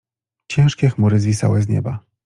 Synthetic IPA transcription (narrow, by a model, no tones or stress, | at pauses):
t͡ɕɛ̃w̃ʂkʲɛxmuɾɘzʲvʲisa̰wɛzɲɛ̰ba